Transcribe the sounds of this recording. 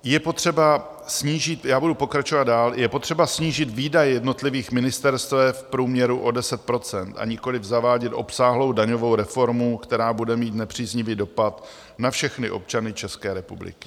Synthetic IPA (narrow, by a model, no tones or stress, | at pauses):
jɛpo̞t̪r̝̥ɛba | sɲiːʒɪt̪jaːbudupokɾat͡ʃo̞vad̪̚daːljɛpo̞t̪r̥ɛbasɲiːʒɪt̪viːdajɛjɛdno̞t̪lɪviːxmɪnɪst̪ɛɾst̪vɛfpɾuːmɲɛɾuʔo̞dɛsɛt̪̚pɾo̞t͡sɛnt̪a̰ɲɪko̞lɪvzavaːɟɛt̪ʔo̞psaːɦlowdaɲo̞vo̞wɾɛfo̞ɾmukt̪ɛɾaːbudɛmiːt̪nɛpr̝̥iːzɲɪviːdo̞pat̪ | nafʃɛxnɪʔo̞̰p̚t͡ʃanɪt͡ʃɛskɛːɾɛpublɪ̰kɪ̥